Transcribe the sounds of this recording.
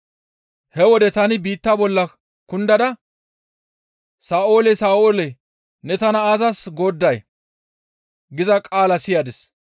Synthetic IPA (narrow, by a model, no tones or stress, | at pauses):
hɛwɔd̪ɛt̪ɐnɪbiːt̪ːabɔlːɐ | kʊnd̪ɐd̪ɐ | saːo̞ːlɛsaːʔoːlɛ | nɛt̪ɐnɐaːzɐsɡoːd̪ːɐj | ɡɪzɐkʼaːlɐsɪjad̪ɪs